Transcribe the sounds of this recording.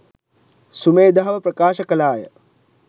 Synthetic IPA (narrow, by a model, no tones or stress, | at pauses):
sumeːd̪aɦːʋɐpɾɐkaːʃɐkɐlaːjə̰